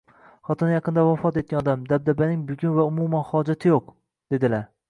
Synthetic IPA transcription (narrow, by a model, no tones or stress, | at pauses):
χɒt̪ʰɨnajɑqʰɨnd̪avafɒt̪et̪̚ʲanɒd̪amd̪ab̚d̪abanɪŋbʊɡʲʊnvaʊmumanhɒd͡ʒat̪ʰɪjoq | d̪̥e̞d̪ɪlaɾ